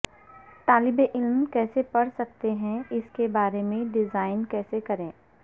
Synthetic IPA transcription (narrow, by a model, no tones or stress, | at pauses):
t̪aːlɪbeʔɪlmkɛːsepɐɽsɐk̚t̪eɦɛ̃ɪskebaːɾemẽɖɪzaːɪnkɛːsekɐɾẽː